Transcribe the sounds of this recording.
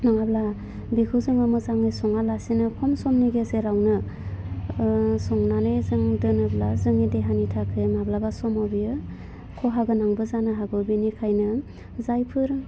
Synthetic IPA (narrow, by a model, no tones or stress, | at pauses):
naŋabla | bikʰuzɯŋamɯzaŋijsɔŋalasinɯkʰɔmsɔmniɡezeɾawnɯ | sɔŋnanɯjzɯŋdɯnɯblazɯŋideɦanitʰakʰɯmablabasɔmɔbijɯ | kʰɔɦaɡɯnaŋbɯzanɯɦaɡɯbinikʰajnɯ | zajpʰɯɾ